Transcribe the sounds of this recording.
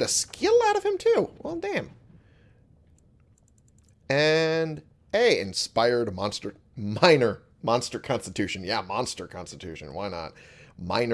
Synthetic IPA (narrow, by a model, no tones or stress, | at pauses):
ɾɨskʰɪlˠaʊɾʌv̥ɨ̃mtʰʉwɛlˠdæ̃m | ɨ̃n | eɪɪ̰̃nspaɪə˞d̚mɑ̃nstə˞ | mãɪ̃nə˞ | mɑ̃nstə˞kʰɑ̃nstɨtʰʉʃɨ̃njæmɑ̃nstə˞kʰɑ̃nstɨtʰʉʃɨ̰̃nwaɪnə̰t̚mã̰ɪ̃nə